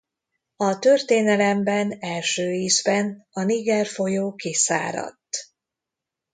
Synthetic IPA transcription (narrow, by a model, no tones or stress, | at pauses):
ɒt̪ørt̪eːnɛlɛmbɛnɛlʃøːiːzbɛnɒniɡɛrfo̞joːkisa̰ːɾɒ̰t̪ː